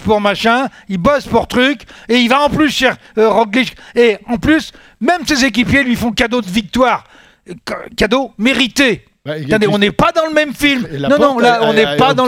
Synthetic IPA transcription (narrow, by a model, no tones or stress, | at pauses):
puʁmaʃɛ̃ilbɔspuʁt̪χykʲeivaɑ̃plysʃɛʁ | ʁɔɡliʃkeɑ̃plys | mɛmsezek̬ʲipjelɥifɔ̃kad̪od̪əvik̚t̪waːʁ | kkad̪omeʁit̪e | t̪ɛ̃d̪eɔ̃nɛpad̪ɑ̃ləmɛmfilmnɔ̃nɔ̃laɔ̃nɛpad̪ɑ̃